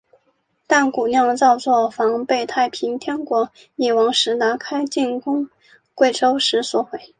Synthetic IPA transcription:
t̪a˥˩nku˨˩njɑ˥˧ŋt͡sɑ˥˧ʊt͡swɔ˥˩fɑ˧˥ŋpe˥˧ɪt̪ʰa˥˩ɪpʰi˧˥ŋt̪ʰjɛ˥nkwɔ˧˥ | ni˨˩wɑ˧˥ŋʂɻ̩˧˥na˧˥kʰa˥ɪt͡ɕi˥˩nkʊ˥ŋ | kwe˥˩ɪʈ͡ʂo˥ʊʂɻ̩˧˥swɔ˧˥xwe˧˩˦ɪ

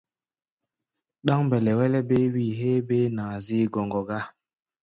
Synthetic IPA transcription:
ɗa˦ŋbɛ˨lɛ˨wɛ˦lɛ˦be˦wi˦˨ɦe˦be˦naː˨zi˦ɡɔ˨ŋɡɔ˨ɡa˦

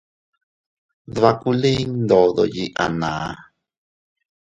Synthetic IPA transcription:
ðβa˧ku˦le˦nd̪o˨ðo˨ji˦˨ʔa̰˨nãː˨˦

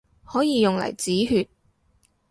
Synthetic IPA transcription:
hɔː˨˥jiː˨˧jʊ˨ŋlɐ̰˨˩jt͡siː˨˥ɦyː˧t̚

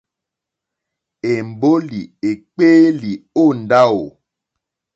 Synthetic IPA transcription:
e˨m̩˨bo˦li˨e˨k͡peː˦li˨o˦˨n̩˨da˦o˨

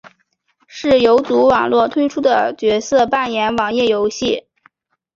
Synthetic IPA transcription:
ʂɻ̩˥˩jo˧˥ʊt͡su˧˥wɑ˨˩ŋlwɔ˥˩t̪ʰwe˥ɪʈ͡ʂʰu˥d̪ə˨t͡ɕɥɛ˧˥sɤ˥˧pa˥˩njɛ˧˥nwɑ˨˩ŋjɛ˥˩jo˧˥ʊɕi˥˩

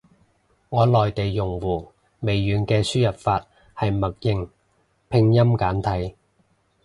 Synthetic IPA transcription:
ŋɔː˨˧lɔː˨jt̪e˨jːʊ˨˩ŋwuː˨˩ | me˨jːyː˨˧nkɛː˧syː˥jɐ˨˩p̚faː˧t̚ | hɐ˨jmɐ˨k̚jɪ˨˧ŋ | pʰɪ˧ŋjɐ˥mkaː˨˥nt̪ʰɐ˨˥j

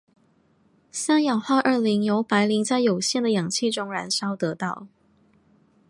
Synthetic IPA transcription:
sa˥njɑ˨˩ŋxa˥˧ʔə˥˩li˧˥ŋjo˧˥ʊpa˧˥ɪli˧˥ŋt͡sa˥˩ɪjo˨˩ʊɕjɛ˥˩nd̪ə˩jɑ˨˩ŋt͡ɕʰi˥˩ʈ͡ʂʊ˥ŋɻa˧˥nʂɑ˥ʊt̪ɤ˧˥t̪ɑ˥˩ʊ

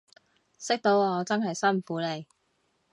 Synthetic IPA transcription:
sɪ˥k̚t̪o˨˥wɔː˨˧t͡sɐ˥nɦɐ˨jsɐ˥nm̩˨˩fuː˨˥le˨˧j

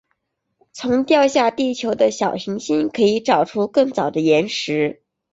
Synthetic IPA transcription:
t͡sʰʊ˧˥ŋt̪jɑ˥˧ʊɕja˥˧t̪i˥˩t͡ɕʰjo˧˥ʊd̪ə˧ɕjɑ˨˩ʊɕi˧˥ŋɕi˥nkʰɤ˧˥i˧˥ʈ͡ʂɑ˨˩ʊʈ͡ʂʰu˥kɤ˥˩ŋt͡sɑ˨˩ʊd̪ə˦jɛ˧˥nʂɻ̩˧˥

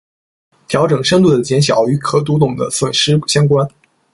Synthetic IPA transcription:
t̪ʰjɑ˧˥ʊʈ͡ʂɤ˨˩ŋʂə˥nŋt̪u˥˩d̪ə˩t͡ɕjɛ˧˥nɕjɑ˨˩˦ʊy˧˥kʰɤ˧˥t̪̬u˧˥t̪ʊ˨˩ŋd̪ə̰˦swə˨˩nʂɻ̩˥ɕjɑ˥ŋkwa˥n

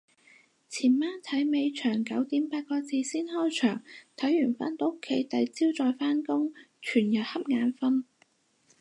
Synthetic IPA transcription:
t͡sʰiː˨˩nmaː˥nt̪ʰɐ˨˥jme˨˧jt͡ʃʰœː˨˩ŋkɐ˨˥wt̪iː˨˥mpaː˧t̚kɔː˧t͡siː˨˧siː˥nhɔː˥jt͡ʃʰœː˨˩ŋt̪ʰɐ˨˥jːyː˨˩nfa̰ː˥nt̪o˨˥kʰːe˨˥jt̪ɐ˨˥jt͡siː˥wt͡sɔː˨˧jfaː˥nkʊ˥ŋ | t͡ʃʰyː˨˩njɐ˨t̚hɐ˥p̚ŋaː˨˧nfɐ˥n

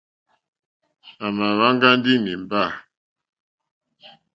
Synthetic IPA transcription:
a˨ma˨βa˦ŋ˦ɡa˦n˦di˦ni˨m˨ba˦˨

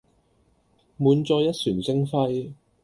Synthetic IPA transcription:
muː˨˧nt͡sɔː˧jɐ˥t̚syː˨˩nsɪ˥ŋfɐ˥j

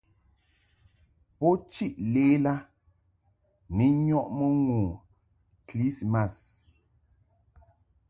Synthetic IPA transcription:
pɔ˦t͡ʃi˦ʔleː˦la˦ | ni˨˦ɲɔ˦ʔmə˦ŋu˨ | kli˦sma˦˨s

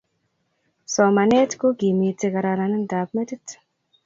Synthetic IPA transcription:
sɔ˨ma˨ne˦tko˦ɡi˨mi˨ti˧ka˨ɾa˧na˨ni˦nda˨pme˦ti˦t

